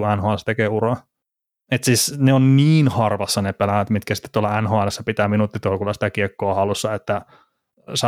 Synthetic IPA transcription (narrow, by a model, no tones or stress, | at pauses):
uænhoːælst̪ekeːurɑ | et̪siːsneonniːnhɑrʋɑsːɑnepelæʋæt̪mit̪kæsi̥t̪ːe̥t̪uolɑænhoːælesːæpit̪æːminut̪ːit̪olkulːɑsi̥t̪ækiekːoːhɑlusːɑet̪ːæ | sɑ